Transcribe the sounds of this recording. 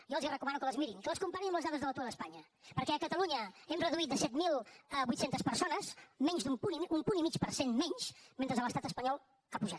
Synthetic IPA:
jɔlˠzrəkumanukələzmiɾiŋkələskumpaɲiəmləzðaðəzðələt̪uɾðəspaɲə | pəɾkɛəkət̪əluɲəɛmrəðuit̪̚d̪əsɛt̪milˠbujt̪sent̪əspəɾsonəzmɛɲzðumpuniumpunimit͡ʃpəɾsenmɛɲʃment̪ɾəzələst̪at̪əspəɲɔlˠ | kapuʒat̪

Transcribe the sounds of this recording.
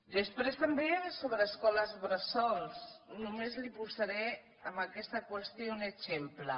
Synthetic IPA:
d̪əspɾest̪əmbesoβɾəːskɔləzβɾəsɔlsnumezlipuzaɾɛ | əmbəkɛst̪əkwəst̪jounəzemplə

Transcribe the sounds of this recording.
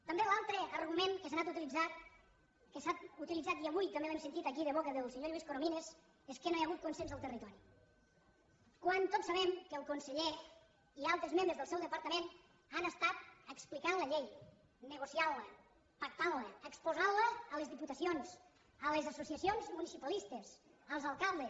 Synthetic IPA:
t̪əmbelalˠt̪ɾəəɾɣumenkəs̬anat̪ut̪ilid͡zat̪ | kəsat̪ut̪ilid͡zat̪̚iəβujt̪əmbelemsent̪it̪əkiðəβ̞okəðəlˠseɲoʎwiskoɾominez | eskənojɐɣut̪̚kunsenzəlˠt̪ərit̪ɔɾi | kwant̪otsəβɛmkəlˠkunsəʎe | ialˠt̪ɾezmẽmbɾəzðəlˠsɛwðəpəɾt̪əmen | anəst̪at̪əksplikanləʎej | nəɣosiallə | pak̚t̪anləːkspuzanləːlezðiput̪əsionz | əlezasusiəsionzmunisipəlist̪esəlˠzalˠkalˠd̪es

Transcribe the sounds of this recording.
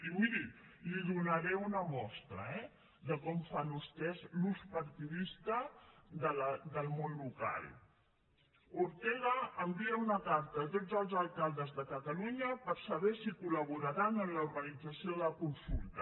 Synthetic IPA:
iwiðiliðunəɾɛunəmɔst̪ɾə̰ɛ | ðəkɔmfanust̪ɛzluspəɾt̪iðist̪əðələd̪əlˠmonluka̰lˠ | uɾt̪ɛɣəːmbiəunəkaɾt̪ət̪od͡zəlˠzəlˠkalˠd̪əzðəkət̪əluɲəpəɾsəβɛsikuləβuɾaɾanənluɾɣənid͡zəsioðəkunsulˠt̪ə

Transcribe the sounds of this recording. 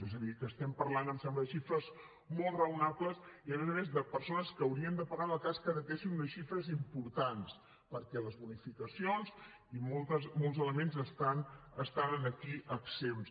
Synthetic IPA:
ezəðikəːst̪ɛmpəɾlanəmsɛmbləðəʃifɾəz | mɔlˠt̪rəunapləsiəmɛzəmezðəpəɾsonəskəːwɾiənd̪əpəɣaðəlˠkaskəðət̪eʃinunəsʃifɾəzimpuɾt̪ans | pəɾkɛləzβunifikəsionz | imolˠt̪əzmolˠzələmenzəst̪anəst̪anənəkiʔəksems

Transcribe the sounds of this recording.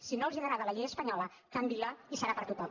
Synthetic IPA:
sinoəlˠziðəɾaðələʎejɣəspəɲɔlə | kambilaisəɾapəɾt̪ut̪ɔm

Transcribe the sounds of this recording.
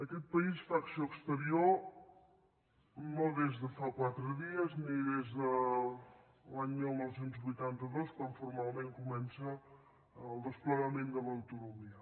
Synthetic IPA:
əkɛt̪̚pəisfaksoəkst̪əɾio | noðezðəfakwat̪ɾəðiəzniðezðə | laɲmilˠnɔwsent̪zβujt̪ant̪əðoskwaɱfurmalˠmẽŋkumɛnsəː | lˠd̪əspləɣəmẽnd̪ələwt̪unumiə

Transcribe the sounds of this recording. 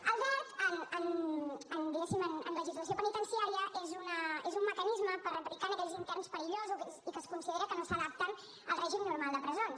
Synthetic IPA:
əlˠðat̪ənənənd̪iɣɛsimənə̰nləʒizləs̬iopənit̪ənsiaɾiəʔezunəezumːəkənizməpəɾəplikanəkɛʎzint̪ɛɾrnspəɾiʎozuzzikəskunsiðeɾəkənosəðap̚t̪ən | əlˠrɛʒimnuɾmalˠd̪əpɾəzons

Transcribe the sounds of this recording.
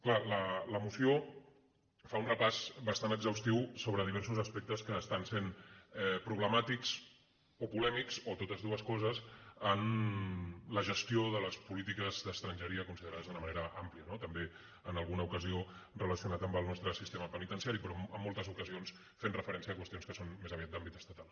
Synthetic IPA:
klalələmusio | faunrəpazbəst̪anəɡzəwst̪iwsoβ̞ɾəð̞iβɛɾsuzəspek̚t̪əskəːst̪ansenɛpɾuβləmat̪ikz̥ | opulɛmikzot̪ot̪əzðuəskɔzəzən | ləʒəst̪ijoðələspulit̪ikəzd̪əst̪ɾənʲʒəɾiəkunsiðəɾaðəzðunəmɐneɾəʔampliənot̪əmbe | ənəlˠɣunəukəziorələsiunat̪əmbəlˠnɔst̪ɾəsist̪eməpənit̪ənsiaɾipɾɔəmːolˠt̪əzukəzions | fenrəfəɾɛnsiəːkwəst̪ionskəsonmezaβiat̪̚d̪ambit̪əst̪ət̪alˠ

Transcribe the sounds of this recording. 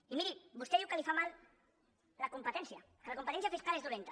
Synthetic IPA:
imiɾibust̪eukalifamal | lakumpət̪ɛnsja | kəlakumpət̪ɛnsjafiskalezðulent̪a

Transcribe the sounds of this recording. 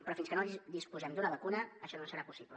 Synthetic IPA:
pɾɔfinskənod̪ispuzɛmd̪unəβəkunəːʃɔnosəɾapusiplə

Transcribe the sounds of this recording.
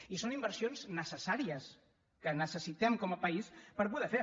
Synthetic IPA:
isonimbəɾsionznəsəsaɾiəs | kənəsəsit̪ɛmkɔməpəispəɾpuðɛfe

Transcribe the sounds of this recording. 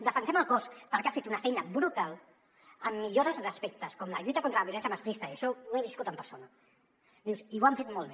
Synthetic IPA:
d̪əfənsɛməlˠkɔspəɾkeafet̪unɐfɛjnəbɾut̪al | əmːiʎoɾəzðəspek̚t̪əskɔmləʎujt̪ɐkont̪ɾəlɐβiulɛnsjəmast̪kɾist̪ɐiəʃɔeβiskut̪əmpəɾsonɐ | d̪iwsiwamfet̪mɔlˠβe

